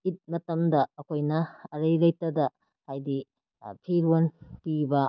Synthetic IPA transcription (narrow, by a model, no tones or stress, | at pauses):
it̚mɐtɐmdɐːkʰojnɐːɾɐjlɐjtɐdɐ | hajdi | pʰiɾonpibɐ